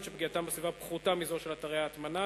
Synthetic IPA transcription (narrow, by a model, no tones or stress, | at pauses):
ʃebɡiat̪ambesvivapχut̪amizoʃelat̪aʁeaːt̪mana